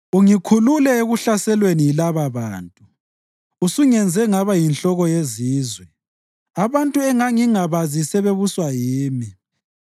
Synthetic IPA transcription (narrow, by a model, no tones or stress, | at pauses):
uŋikʰululɛeɣuɬasɛlweniilaβaβa̰ːntʼu | usuŋɛnd͡zʱɛŋaβajinɬɔɣɔjeziːzwɛ | aβantʼuɛŋaŋiŋaβazisɛβeβuswajiːmi